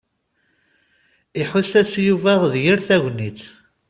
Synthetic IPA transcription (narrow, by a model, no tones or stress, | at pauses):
iħʊsæsjuvæʁðjiɾθæʝʷnit͡s